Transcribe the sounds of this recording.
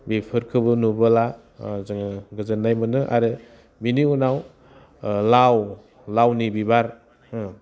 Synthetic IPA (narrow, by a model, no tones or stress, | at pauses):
bipʰɯɾkʰɯbɯnubɯla | zɯŋɡɯzɯnːajmɯnɯʔa̰ɾɯ | biniunaw | law | lawnibibaɾ